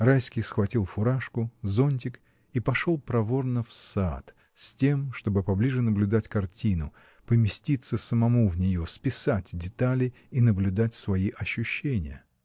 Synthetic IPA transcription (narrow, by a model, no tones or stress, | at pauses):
rajsʲkʲɪjsxvɐtʲilˠfʊɾaʂkʊzo̞nʲt̬ʲɪk | ipɐʂo̞lˠpɾɐvo̞rnəfsa̰t̪ | sʲtʲe̞mʂt̪o̞bɨpɐblʲiʐɨnəblʲʊd̪atʲkɐrtʲinʊ | pəmʲɪsʲtʲit̪sːəsəmɐmuvnʲɪjo̞spʲɪsatʲdʲɪt̪alʲɪ | inəblʲʊd̪atʲsvɐiʔɐɕːʊɕːenʲɪjə̰